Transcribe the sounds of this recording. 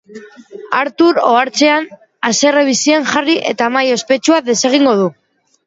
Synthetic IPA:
aɾt̪uɾo̞̰aɾt͡se̞an | ase̞reβ̞isianʝariʔe̞t̪amajo̞spe̞t͡ʃuaðe̞se̞ɣ̞iŋɡo̞ð̞u

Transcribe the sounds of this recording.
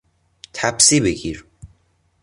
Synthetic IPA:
t̪ʰæbsiːbeɡiːɾ

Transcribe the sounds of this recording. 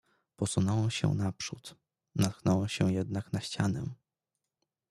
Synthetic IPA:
pɔsunɔwɛmɕɛ̰napʂut̪ | nat̪̚knɔwɛmɕɛjɛd̪̚naknaɕt͡ɕanɛ̰

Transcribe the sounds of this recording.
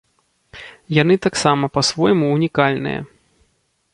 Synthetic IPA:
jan̪ɨt̪aksamɐpɐsvɔjmuːnʲikalʲnɨ̰jɐ̰

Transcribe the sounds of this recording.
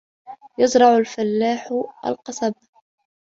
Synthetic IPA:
jɑzɾˤɑʕʊlfalːaːħʔa̰lqɑsˤɑb̚

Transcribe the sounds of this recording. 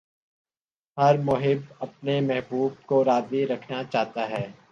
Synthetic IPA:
ɦɐɾmʊɦɪbɐp̚nemɛɦbuːb̚koɾaːziɾɐkʰnat͡ʃaːɦt̪aɦɛː

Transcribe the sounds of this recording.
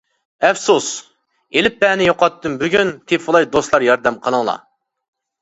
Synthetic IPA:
ɛfsus | elɪp̚ːɛːnɪjoqɑt̪ːɨmbyɡʲynt̪ʰepfʊlˠɑjd̪oslˠɑɾjɑɾd̪ɛmqʰəlˠəŋlˠɑ̰

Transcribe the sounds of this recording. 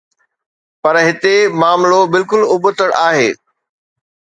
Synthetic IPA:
pɐɾɦɪt̪emaːmlobɪlkʊlʊbət̪əɽʔaːɦeː

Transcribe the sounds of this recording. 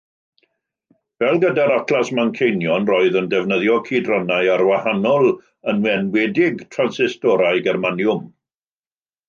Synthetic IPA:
vɛlˠɡədaɾakʰlˠasmankʰejnjɔnroːɨðəndɛvnəðjɔkʰiːdrɔnaɨarwahanɔlˠ | ənwɛnwɛdɪɡtʰransɪstɔɾaɨɡɛrmanjʊm

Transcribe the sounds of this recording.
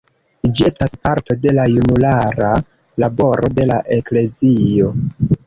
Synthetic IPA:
d͡ʒie̞staspaɾto̞de̞lajunulaɾa | labo̞ɾo̞de̞laʔe̞kle̞zio̞

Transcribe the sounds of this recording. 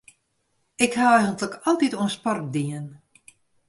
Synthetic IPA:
ɪkhawɛjɣəntləkɔlˠtituənspɔrk̚diən

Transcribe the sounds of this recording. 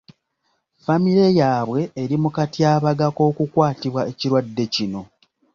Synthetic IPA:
famiɾe̞jaːβwe̞ːɾimukatiaːβaɡako̞ːkukwaːtiβwaeciɾwadːe̞cino̞

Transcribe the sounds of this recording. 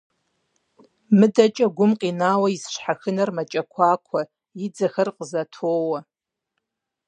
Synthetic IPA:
mɨdat͡ʃʼaɡʷʊmqʼinaːwaisʃʷħaxɨnarmat͡ʃʼakʷʰakʷʰa | id͡zaxɐrqʼəzatʰowa

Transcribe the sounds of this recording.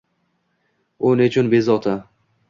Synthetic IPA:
onɪt͡ʃʰʊnbezɒt̪ʰa

